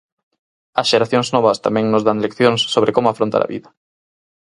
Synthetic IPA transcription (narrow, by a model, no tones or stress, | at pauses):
ɐsʃeɾaθjoŋznoβɐst̪amɛ̃ŋnozðanlekθjoŋsːoβɾekomʊafɾõnt̪a̰ɾɐ̰βḭðɐ